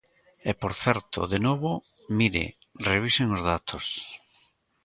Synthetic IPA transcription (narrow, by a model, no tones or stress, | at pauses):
epoɾθeɾt̪o̰ðenoβo | miɾḛ | reβ̞iseŋozðat̪ʰos